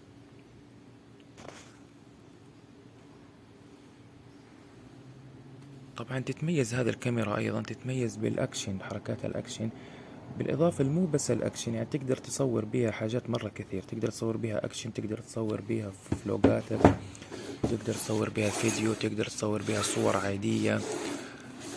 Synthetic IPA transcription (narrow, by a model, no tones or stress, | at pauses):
t̪ˤɑbʕɑnt̪ɪt̪majːazhaːðilkamɪɾɑʔɑ̰jðˤɑnt̪ɪt̪majːazbɪ̰lʔa̰kʃanħɑɾˤɑkaːt̪ʰa̰lʔa̰kʃan | bɪlʔɨ̰ðˤɑːfalmuːbasːalʔa̰kʃanjaʕnit̪ɪɡd̪ɑɾˤt̪ɨ̥sˤɑwːɪɾbiːhaħaːʒaːt̪mɑrˤːɑkaθiːɾt̪ɪɡd̪ɑɾˤt̪sˤɑwːɪɾbiːha̰ʔa̰kʃant̪ɪɡd̪ɑɾˤt̪sˤɑwːɪɾbiːha | flo̰ːɡaːt̪ak | wt̪ɪɡd̪ɑɾˤt̪sˤɑwːɪɾbiːhalfɪd̪jut̪ɪɡd̪ɑɾˤt̪sˤɑwːɪɾbiːhasˤʊwɑ̰ɾˤʕaːd̪ɪjːa